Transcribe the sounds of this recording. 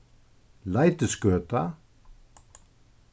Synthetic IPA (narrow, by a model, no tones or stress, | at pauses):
lajt̪ɪskœːt̪a